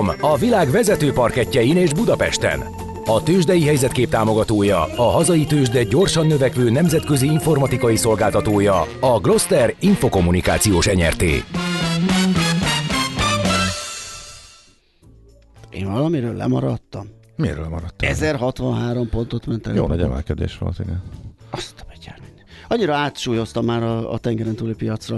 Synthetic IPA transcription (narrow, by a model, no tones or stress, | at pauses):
mɒvilaːɡʋɛzɛt̪øːpɒrkɛcːɛjineːʒbud̪ɒpɛʃt̪ɛ̰n | ɒt̪øːʒd̪ɛjiɦɛjzɛt̪keːp̚t̪aːmo̞ɡɒt̪oːjɒɒɦɒzɒjit̪øːʒd̪ɛɟo̞rʃɒnːøvɛkʋøːnɛmzɛt̪kø̞ziiɱfo̞rmɒt̪ikɒjiso̞lɡaːlt̪ɒt̪oːjɒɒɡlo̞st̪ɛriɱfoko̞mːunika̰ːt̪sijoːʃɛɲɛ̰rt̪ḛː | ʔḛːɱvɒlɒmiɾøːlːɛ̰mɒɾɒt̪ːɒm | mḛɾø̰lɛmɒɾɒt̪ːɛzɛrɦɒt̪ʋɒnɦaːɾompo̞nt̪o̞t̪mɛnt̪ɛ̰jo̰ːnɛɟɛ̰mɛ̰lkɛd̪ḛːʃʋo̰lt̪ḭɡɛnɒst̪ɒ̥bɛɟɛ̰rminɒɲːiɾɒaːt̪ʃuːjo̞st̪ɒmːaːɾɒ̰ːt̪ɛŋɡɛɾɛnt̪uːlipijɒt̪srɒ